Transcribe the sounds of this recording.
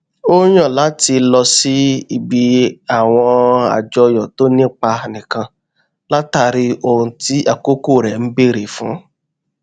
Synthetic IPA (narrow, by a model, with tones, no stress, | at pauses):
o˦j̃ɔ̃˦˨la˨˦ti˧lɔ˧si˦i˨bi˧a˨w̃ɔ̃˧a̰˨d͡ʒɔ˧jɔ˨to˨˦nĩ˦k͡pa˧nĩ˨kã˧ | la˦ta˧ɾi˧o˨ɾũ˨ti˨˦a˦˨ko˦ku˦˨ɾɛ˨n̩˦be˦˨ɾe˨fũ˨˦